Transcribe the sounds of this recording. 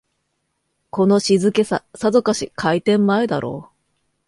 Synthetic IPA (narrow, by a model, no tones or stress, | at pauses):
ko̞no̞ɕizɨke̞sasad̪o̞kaɕikʰait̪ẽ̞mːae̞d̪a̰ɾʔo̞̰ː